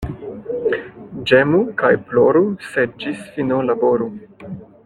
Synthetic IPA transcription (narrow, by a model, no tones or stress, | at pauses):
d͡ʒemukajploɾused͡ʒisfinolaboɾu